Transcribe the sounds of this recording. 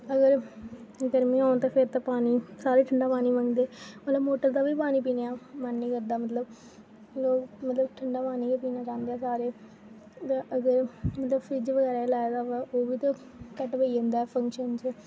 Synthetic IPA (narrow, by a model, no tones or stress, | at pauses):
əɡəɾ | ɡəɾmĩːãːt̪ãːpʰeɾt̪ãːpaːniːsaːɾeːʈʰəɳɖaːpaːniːʋə̃ŋɡd̪eːmət̪ləbmoːʈəɾd̪aːʋiːpaːniːpiːnjaːmənːĩːkəɾd̪aːmət̪ləb | loːkmət̪ləbʈʰəɳɖaːpaːniːkepiːnaːt͡ʃãːnd̪eɛːsaːɾeː | t̪ãʔəɡəɾmət̪ləbfʰɾɪd͡ʒʋəɡɛːɾaːelaːd̪aːʋɛʔoːʋiːt̪ã | kəʈʋəiend̪aːɛpʰə̃ŋkʃənt͡ʃə